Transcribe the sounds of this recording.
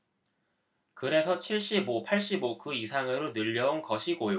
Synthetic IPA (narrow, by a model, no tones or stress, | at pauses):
kɯɾe̞sʰʌt͡ɕʰiɭɕ͈ibopʰaɭɕ͈ibokɯisʰaŋeɾonɯʎːʌunkʌɕʰiɡojo